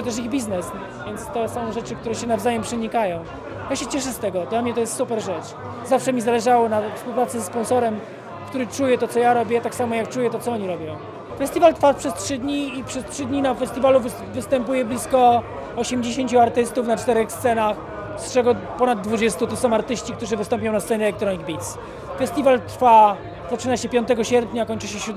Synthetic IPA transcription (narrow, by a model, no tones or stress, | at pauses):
ɔt̪ɛʂ̬iɣbʲiznɛs | vʲjɛnt̪st̪ɔsɔ̃nʐɛt͡ʂɘkt̪uɾɛɕɛnavzajɛmpʂɛɲikajɔ̃w̃ | jaɕɛt͡ɕɛʂ̬ɛst̪ɛɡɔd̪lamɲɛt̪ɔjɛst̪supɛɾʐɛt͡ʂ | zafʂɛmʲizalɛʐawɔnafspuwpɾat̪sɛsɛspɔ̃nsɔɾɛm | kt̪uɾɘt͡ʂujɛt̪ɔt̪sɔjaɾɔbʲjɛt̪aksamɔjak̚t͡ʂujɛt̪ɔt̪sɔɔɲiɾɔbʲjɔ̃w̃ | fɛst̪ʲivalt̪fapʂɛstʂɘd̪ʲɲiːpʂɛstʂɘd̪ɲinafɛst̪ʲivaluv | vɘst̪ɛmpujɛblʲiskɔ | ɔɕɛmd͡ʑeɕeɲt͡ɕuaɾt̪ɘst̪ufnat͡ʂt̪ɛɾɛxst̪sɛnax | st͡ʂɛɡɔpɔnad̪ːvud͡ʑɛst̪ut̪ɔsɔ̃w̃aɾt̪ɘɕt͡ɕik̚t̪uʐɘvɘst̪ɔmpʲjɔ̃w̃nast̪sɛɲɛɛlɛkt̪ɾɔɲiɡ̚bʲit̪s | fɛst̪ʲivalt̪ɾfa | zat͡ʂɘnaɕɛpʲjɔnt̪ɛɡɔɕɛɾpʲɲakɔɲt͡ʂɘɕɛɕɾud̪